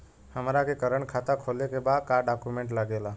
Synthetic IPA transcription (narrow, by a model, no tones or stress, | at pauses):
həmɾakekəɾəɳkʰat̪akʰolekebad̪kaɖakumẽɳʈləɡela